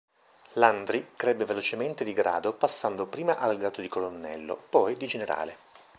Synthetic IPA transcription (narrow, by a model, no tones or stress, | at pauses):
land̪ɾikɾɛbːevelot͡ʃement̪ed̪iɡɾa̰ːd̪opasːand̪opɾiːmaʔalɡɾaːt̪od̪ikolonːɛ̰lːo̰pɔjd̪id͡ʒeneɾa̰ːle